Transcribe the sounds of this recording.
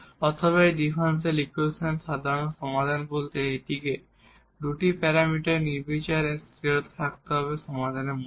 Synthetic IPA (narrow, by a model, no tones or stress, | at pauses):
ɔt̪ʰoβaeɖ̪ifanselikusenʃad̪ʱaɾonoʃɔmad̪ʱanbolt̪eeʈike | d̪uʈipɛɾamiʈaɾniɾbet͡ɕaɾest̪ɾiot̪t̪ʰak̚t̪eɦɔβeʃɔmad̪ʱanem